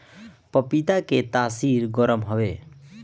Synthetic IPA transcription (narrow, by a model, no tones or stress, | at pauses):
pɔpit̪aket̪aːsiɾɡɔɾɔmɦɔbe